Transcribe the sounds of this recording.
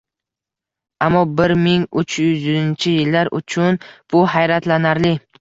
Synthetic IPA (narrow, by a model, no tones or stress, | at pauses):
amːɒbɪɾmɪŋʊt͡ʃʰjʏzjʏɪnt͡ʃʰɪjɪlːaɾʔʊ̰t͡ʃʰʊnb̥ʊɦajɾat̪lanaɾlɪ